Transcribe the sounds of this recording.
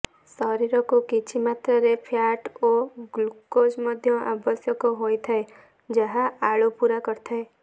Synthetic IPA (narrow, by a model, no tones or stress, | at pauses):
sɔɾiɾɔkukit͡ʃʰimat̪ɾaɾepʰjaʈoɡlukod͡ʒmɔd̪ʱjɔʔabɔsjɔkɔɦojt̪ʰae | d͡ʒeɦaaɭupuɾakɔɾt̪ʰae